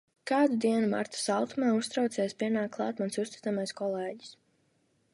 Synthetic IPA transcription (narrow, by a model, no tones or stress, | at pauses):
kaːd̪ud̪iɛnuma̰ɾt̪u̥salˠt̪umaːust̪ɾawt̪sɛjspʲiɛnaːkːlˠɑ̰ːt̪mansust̪i̥t̪amajskɔlˠɛːɟi̥s